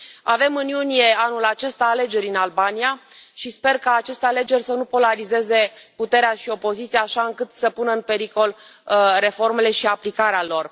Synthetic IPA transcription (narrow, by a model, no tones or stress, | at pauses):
ave̞mɨnjunije̞anulat͡ʃe̞st̪aːle̞d͡ʒe̞ɾʲinalbania | ʃispe̞rkaːt͡ʃe̞st̪eale̞d͡ʒe̞rʲsənupo̞laɾize̞ze̞put̪e̞ɾeaʃio̞po̞zit̪sijaːʃaɨŋkɨt̪səpunəɨnpe̞ɾiko̞l | re̞fo̞rme̞le̞ʃiaplikaɾealo̞r